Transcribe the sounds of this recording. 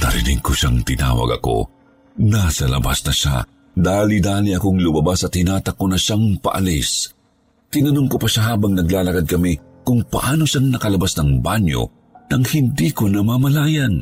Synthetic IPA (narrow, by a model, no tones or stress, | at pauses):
nɐ̰ɾɪ̰nḭɡkʊʃaŋt̪ɪna̰ːwɐ̰ɡɐ̰ko̞̰ | nasɐlɐ̰ba̰snɐʃa̰ | d̪aːlid̪aːliɐkoŋlʊmɐbasɐt̪ɪnaːt̪ɐkːonɐʃaŋpɐ̰ʔɐ̰lis | t̪ɪnɐnoŋkopɐʃaɦaːbɐŋnɐɡlaːlɐkad̪̚kɐmi | kʊŋpɐ̰ʔaːno̞ʃaŋnɐkɐlɐbasnɐŋbanjo̰ | nɐŋhɪnd̪ikonɐmɐmɐlaːjɐn